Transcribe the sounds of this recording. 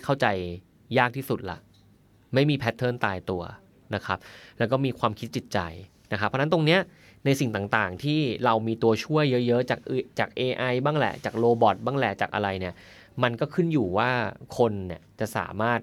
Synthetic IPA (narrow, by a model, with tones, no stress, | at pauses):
kʰa˥˩wt͡ɕa˧jː | aː˥˩k̚t̪ʰiː˥˩su˨˩t̪̚la̰˨˩ʔ | ma˥˩jmiː˧pʰɛ˦˥t̪ʰːɤː˥˩nt̪aː˧jt̪u˧ɐ | na˦˥kʰa˦˥p̚lɛː˦˥wkɔː˥˩miː˧kʰwaː˧mkʰi˦˥t̪̚t͡ɕi˨˩t̪̚t͡ɕa̰˧j | na˦˥kʰa˦pʰːɔ˧˥na˦˥nt̪o˧ŋni˦˥ɐ | na˧jsi˨˩ŋt̪aː˨˩ŋt̪aː˨˩ŋt̪ʰiː˥˩ɾa˧wmiː˧t̪u˧ɐt͡ɕʰu˥˩əjːɤ˦˥ʔjɤ˦˥ʔt͡ɕaː˨˩k̚t͡ɕaː˨˩k̚ʔeː˧ʔa˧jbaː˥˩ŋlɛ̰˨˩t͡ɕaː˨˩k̚ɾoː˧bɔ˨˩t̪̚baː˥˩ŋlɛ̰˨˩t͡ɕaː˨˩k̚ʔa̰˧ɾa˧jni˥˩ɐ | ma˧nkɔː˥˩kʰɯ˥˩njuː˨˩waː˥˩kʰo˧nːi˥˩ɐt͡ɕa˨˩ʔsa̰ː˩˦maː˥˩t̪̚